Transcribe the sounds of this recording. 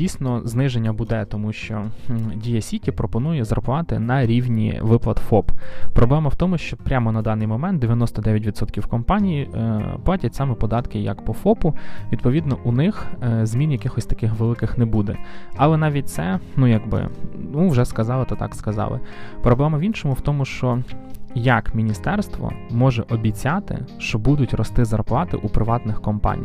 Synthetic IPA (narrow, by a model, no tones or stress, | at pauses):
dʲijsʲnɔznɪʒenʲːɐbʊd̪ɛt̪ɔmuʃt͡ʃɔdʲijɐsʲitʲipɾɔpɔnujɛzrɐpʊʋɑt̪ɪ̰nɐɾʲiwnʲḭʋɪplˠɐt̪fɔppɾɔblˠɛmɐwt̪ɔmʊʃt͡ʃɔpɾʲamɔnɐd̪ɑnɪjmɔmɛnt̪̚d̪eʋjɐnɔst̪ɔd̪ɛʋʲjɐt̬ʲʋʲid̪sɔt̪kʲiwkɔmpɑnʲijiplˠɑtʲɐt̚ʲsɑmɛpɔd̪ɑt̪kɪjɐ̰kpɔfɔpʊʋʲid̪̚pɔʋʲid̪nɔʔunɪxzmʲinjɐkɪxɔsʲt̪ɐ̥kɪxʋelˠɪkɪxnɛbud̪ɛɐlˠɛnɑʋʲit̚ʲt̪sɛnujɐɡbɪ̰nuwʒɛskɐzɑlˠɪt̪ɐt̪ɑ̰kskɐzɑ̰lˠɪ̰pɾɔblˠɛmɐʋʲinʃɔmʊwt̪ɔmʊʃt͡ʃɔjɐkmʲinʲist̪ɛrst̪ʋɔ̰mɔʒɛʔɔbʲit͡sʲat̪ɪ̰ʃt͡ʃɔbud̪ʊtʲrɔst̪ɪzɐrplˠɑt̪ɪ̰ʔupɾɪʋɑt̪nɪxkɔmpɑ̰nʲḭj